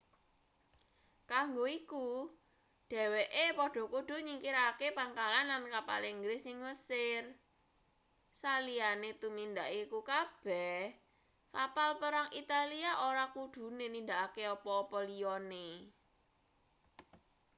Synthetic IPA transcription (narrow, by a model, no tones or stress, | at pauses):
kaŋɡoiku | ɖ̥ɛ̤weʔepɔɖ̥ɔ̤kuɖ̥ṳɲiŋkiɾakepaŋkalanlankapa̰liŋɡɾɪsɪŋwəsɪr | salianet̪umind̪aʔikukab̥ɛh | kapalpəɾaŋʔit̪aliaʔoɾakuɖ̥ṳnenind̪aʔakeɔpɔːpɔliɔne